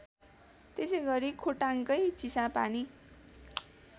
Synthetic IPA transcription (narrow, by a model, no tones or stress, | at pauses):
t̪esʌjɡʌɾikʰoʈaŋkʌjt͡sisapa̰ni